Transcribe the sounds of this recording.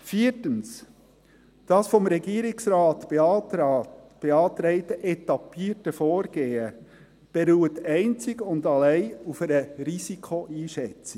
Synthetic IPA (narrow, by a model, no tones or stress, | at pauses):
fiːtəns | d̥ɑsfɔmɾɛɡiːɾɪksɾɑːtb | b̥eɑtɾeɪtəʔɛtɑpiːtəfoːɾɡ̥eːə | b̥eɾuːətæɪnt͡sɪɡʊndɑlæɪufæɾəɾisikʰoʔiːʃɛt͡sɪ